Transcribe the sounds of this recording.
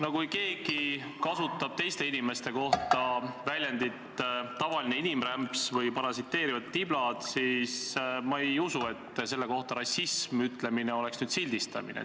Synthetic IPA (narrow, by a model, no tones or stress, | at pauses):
no̞kujke̞ːɡ̥i | kɑsut̪ːˑɑb̥̚t̪e̞jst̪e̞inime̞st̪e̞ko̞ht̪ɑvælʲjænd̪it̪t̪ɑvɑlineinimræmpsvɤjpɑɾɑsit̪ːe̞ːɾivɑt̪ːib̥lɑd̪̥sismɑe̞jusue̞t̪ːs̬e̞lːe̞ko̞ht̪ɑɾɑsːismyt̪ˑle̞mineo̞le̞ksnyːd̪silʲd̪̥ist̪ɑ̰mḭnḛ